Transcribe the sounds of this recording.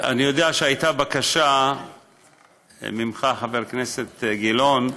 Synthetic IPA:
a̰nijo̞d̪eaʃeajt̪abakaʃa | mimχaħaveʁknese̞t̪ɡilon

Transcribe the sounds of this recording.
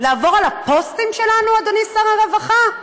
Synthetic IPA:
laːvo̞ʁalapo̞stimʃe̞lanuad̪onisaʁaʁevaχa

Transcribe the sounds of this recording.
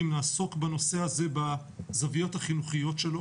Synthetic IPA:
imlaːso̞kbano̞se̞haze̞ba | zavijo̞thaχinuχijo̞tʃelo

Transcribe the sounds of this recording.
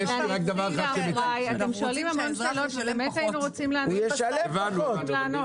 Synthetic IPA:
jeʃiʁak̚d̪avaʁχaemiajat̪emʃoalimhamonʃeːlot̪velemetajinuʁot͡simlanuojeʃalevanuleno

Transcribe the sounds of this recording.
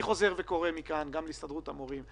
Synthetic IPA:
iχo̞ze̞ʁveko̞ʁemikanɡamleist̪adʁut̪amoʁim

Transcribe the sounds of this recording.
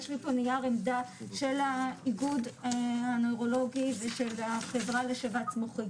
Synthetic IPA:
ʃʁiponijaʁemd̪aʃe̞laiɡud̪anojʁo̞lo̞ɡiveʃelaχevʁaleʃevasmoχi

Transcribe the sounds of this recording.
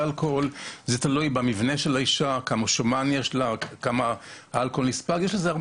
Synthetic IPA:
alkolzet̪alujbamivneʃelaiʃakamoʃomanjeʃlakama | alkolnispaɡjeʃlezeaʁ

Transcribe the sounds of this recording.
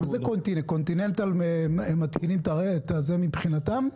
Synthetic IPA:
zekont̪inekont̪inent̪alememːat̪kinimt̪aet̪azemibχinat̪am

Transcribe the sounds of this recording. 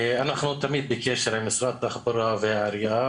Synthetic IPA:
ʔanaχnut̪amiːd̪̚bɪkeʃeɾʕamɪsɾat̪ːaxbaɾuaveʕaɾjʔa

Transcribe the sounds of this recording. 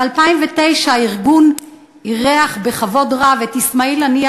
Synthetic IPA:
alpaimvete̞jʃaaiʁɡun | iʁeaχbeχavo̞dʁavetismailania

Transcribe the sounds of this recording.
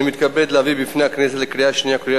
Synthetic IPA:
mit̪kabed̪lavibifinaknɛzalekɾijaʃniakɾja

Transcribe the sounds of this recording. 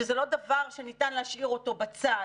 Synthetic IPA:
ezelo̞davaʁʃenitanleaʃiʁo̞to̞bat͡sa

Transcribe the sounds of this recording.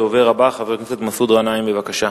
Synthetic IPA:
oveʁabaχavekneset̪masud̪ʁanaimbevakaʃa

